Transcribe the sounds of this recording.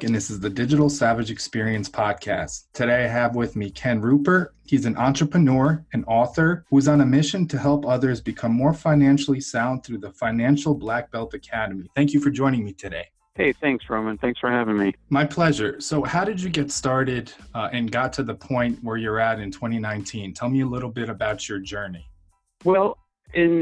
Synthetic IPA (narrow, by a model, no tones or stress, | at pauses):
ɨ̃nðɪsɨzðɨdɪd͡ʒɨɾl̩ˠsævɨd͡ʒɨkspɪɹiɨ̃nspʰɑd̚kʰæ̰sʰɨɾeɪaɪɨvwɪðmikʰɛ̃nɹʉpə˞ | hizɨ̃nʔɑ̃nt͡ʃɹ̥əpʰɨnɔɹɨ̃nɔθə˞huɨzn̩ɨmɪʃɨ̃ntʰɨhɛlˠpʌðə˞zbɨkʰʌ̃mːɔɹfãɪ̃næ̃nʃl̩ˠisãʊ̃nθɹʉðəfãɪ̃næ̃nʃl̩ˠblæk̚b̥ɛlˠtɨkʰæɾɨmiθæ̃ŋkjɨfə˞d͡ʒɔ̃ɪ̃ñɪ̃ŋmitʰɨɾeɪ | heɪθæ̃ŋksɹoʊmɨ̃nθæ̃ŋksfə˞hævɪ̃ŋmimaɪpʰl̥ɛʒə˞soʊhaʊɾɨd͡ʒɨɡɛtstɑɹɾɪɾɨ̃nɡɑtʰɨðəpʰɔ̃ɪ̃nʔwə˞jə˞ɨɾɨ̃ntʰw̥ɛ̃ɾ̃inãɪ̃ntʰĩntʰɛlˠmiɨlɪɾl̩ˠbɪɾɨbaʊt͡ʃə˞d͡ʒɜ˞ni | wɛlˠ | ɪ̃n